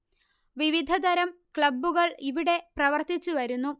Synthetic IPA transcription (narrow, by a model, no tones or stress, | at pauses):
ʋiʋid̪ʱɐd̪ɐɾɐm | kɭɐbːuɣɐɭiʋiɽe̞prɐʋɐrt̪it͡ɕːuʋɐɾunːu